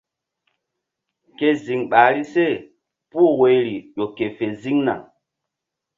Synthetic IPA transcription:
ke˨zi˨ŋɓa˨ɾi˦se˦˨ | pu˦˨we˨˦jɾi˨ɗo˨ke˨fe˨zi˦ŋna̰˨ŋ

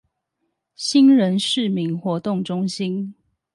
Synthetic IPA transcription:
ɕi˦˥nɻə˧˦nʂɻ̩˥˨mi˨˦ŋxwɔ˨˦t̪ʊ˥˨ŋʈ͡ʂʊ˦ŋɕi˦n

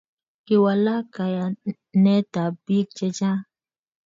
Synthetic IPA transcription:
kɪ˨wa˨la˦ka˨ja˨ | nɛ˦ta˨bi˦k̚t͡ʃɛ˦t͡ʃa˦

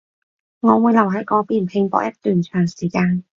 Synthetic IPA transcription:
ŋɔː˨˧wuː˨˧jlɐ˨˩wɦɐ˨˥jkɔː˧piː˨˩npʰɪ˧ŋpɔ̰ː˧˥kjʔɐ˥t̚t̪yː˨nt͡ʃʰœː˨˩ŋsiː˨˩kaː˧n

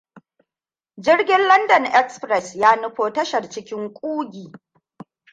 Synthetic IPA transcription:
d͡ʒɪ˦rɡʲɪ˦nlɐ˦ndɐ˨nʔɛ˦kspɾɛ˨sjaː˦nʊ˦ɸoː˦tɐ˦ʃɐ˨rt͡ʃɪ˦kʲɪ˦ŋkʷʼuː˦ɡʲiː˨

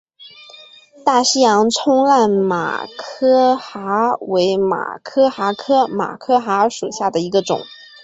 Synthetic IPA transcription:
t̪a˥˩ɕ̩˥jɑ˧˥ŋʈ͡ʂʰʊ˥ŋla˥˩nma̰˨˩kʰɤ˥xa˧˥we˧˥ɪma̰˨˩kʰɤ˥xa˧˥kʰɤ˥ma̰˨˩kʰɤ˥xa˧˥ʂu˨˩ɕja˥˩d̪ə˩i˧˥ɡə˧ʈ͡ʂʊ̰˨˩˦ŋ

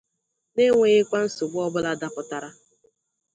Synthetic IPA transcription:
ne˦ŋʷe˦ɣɪ˦kʷa˦n̩˦sʊ˨ɡ͡bʊ˦ɔ˦bʊ˦la˦da˦pʊ˨ta˨ɾa˦

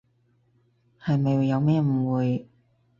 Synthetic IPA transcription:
hɐ˨jmɐ˨jwu˨˧jɐ˨˧wmɛː˥m̩˨˩wuː˨j

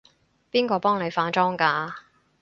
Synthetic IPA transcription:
piː˥nkɔː˧pɔː˥ŋne˨˧jfaː˧˥nt͡ʃɔː˥ŋkaː˧

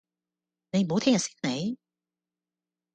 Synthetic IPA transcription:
ne˨˧jmo˨˧wt̪ʰɛː˥ŋjɐ˨˩siː˥nne˨˧j

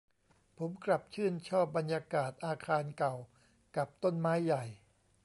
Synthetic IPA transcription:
pʰo˩˦mkɾa˨˩p̚t͡ɕʰɯː˥˩nt͡ɕʰɔː˥˩p̚ba˧njaː˧kaː˨˩t̪̚ʔaː˧kʰaː˧nka˨˩w | ka˨˩p̚t̪o˥˩nmaː˦˥jːa˨˩j

